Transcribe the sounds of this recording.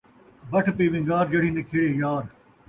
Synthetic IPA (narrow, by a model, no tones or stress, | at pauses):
bɐʈʰpiːʋɪ̃ŋɡaːɾd͡ʒɐɽiːnekʰeːɽeːjaːɾ